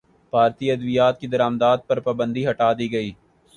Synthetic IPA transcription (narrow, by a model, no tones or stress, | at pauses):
bʱaːɾt̪iɐd̪ʋijaːt̪̚kid̪ɐɾaːmd̪aːd̪̚pɐɾpaːbə̃nd̪iɦɐʈaːd̪iɡɐiː